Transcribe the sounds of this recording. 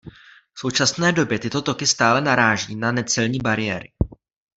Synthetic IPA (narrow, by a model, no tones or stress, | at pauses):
fso̞wt͡ʃasnɛːdo̞bjɛt̪ɪt̪o̞t̪o̞kɪst̪aːlɛnaɾaːʒiːnanɛt͡sɛlɲiːbaɾɪjɛːɾɪ̰